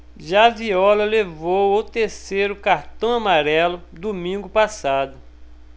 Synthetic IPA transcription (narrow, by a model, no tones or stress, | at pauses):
ʒaviɔlɐlevowowt̪eɾsejɾʊkaɾt̪ɐ̃w̃amaɾɛlʊd̪omĩŋɡʊpasad̪ʊ